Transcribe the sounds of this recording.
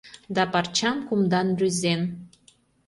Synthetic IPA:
d̪ɑpɑrt͡ɕɑmkumd̪ɑnryzen

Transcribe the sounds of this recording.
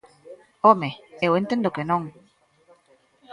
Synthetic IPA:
omeewent̪end̪okenõŋ

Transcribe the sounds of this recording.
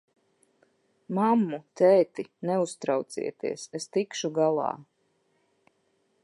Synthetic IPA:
mamːut̪ɛːt̪inɛust̪ɾawt̪sḭɛt̪ḭɛsest̪ikʃuɡalˠɑ̰ː

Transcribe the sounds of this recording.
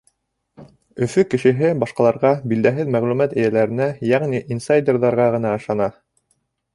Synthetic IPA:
ɵ̆fɵkɘ̆ʃɘ̆ɦɘbɑʃqɑlˠɑɾʁɑbild̪æɦɘðmæʁlʉmæt̪ɘ̆jælæɾɘ̆næjæʁniʔinsajd̪ʲerðɑɾʁɑʁɤ̆nɑɤ̆ʃɑnɑ

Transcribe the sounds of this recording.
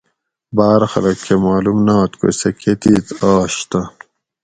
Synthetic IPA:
baːɾxɐlɐkʰːemaːlumnaːt̪ko̰sɐkʰet̪iːt̪aːɕt̪ɐ

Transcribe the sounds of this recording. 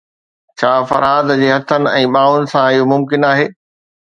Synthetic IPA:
t͡ɕʰaːfɐ̰ɾaːd̪d͡ʑeːɦɐt̪ʰənɪ̆ɛ̃ːɓaːʊnɪ̆sãɪjomʊmkɪnaːɦeː

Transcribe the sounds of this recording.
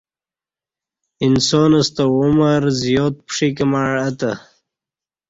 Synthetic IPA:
insoːnɐst̪auməɾzjoːt̪̚pʂikəmaɻɐt̪a

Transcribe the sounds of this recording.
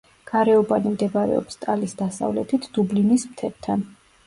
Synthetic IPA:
ɡ̥aɾɛɔbanimd̪ɛbaɾɛ̰ɔ̰pst̪ʼalisd̪asa̰vlɛ̰t̪ʰit̪ʰd̪̥ublinismt̪ʰɛɾt̪ʰan

